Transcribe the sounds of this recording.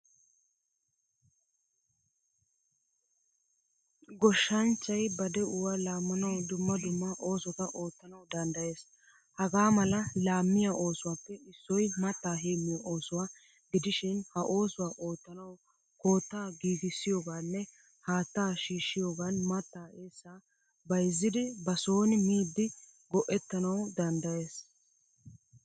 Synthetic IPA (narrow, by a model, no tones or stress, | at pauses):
ɡɔʃːɐnt͡ʃːɐjbɐd̪ɛʔʊwalaːmːʊnɐwd̪ʊmːɐd̪ʊmːɐʔo̞ːsɔkɐʔo̞ːt̪ːɐnɐwd̪ɐnd̪ɐje̞ːs | hɐɡaːmɐlɐlaːmːɪjaʔo̞ːsʊwaːpːɛɪsːɔjmɐt̪ːaːɦeːmːɪjɐʔo̞ːsʊwaː | ɡɪd̪ɪʃɪnhɐʔo̞ːsʊwaːʔo̞ːt̪ːɐnɐw | ko̞ːt̪ːaːɡiːɡɪsːɪjoːɡaːnːɛ | haːt̪ːaːʃiːʃːɪjoːɡanmɐt̪ːaːeːsːaː | bɐjzːɪd̪ɪbɐso̞ːnɪmiːd̪ːɪ | ɡɔʔɛt̪ːɐnɐwd̪ɐnd̪ɐje̞ːs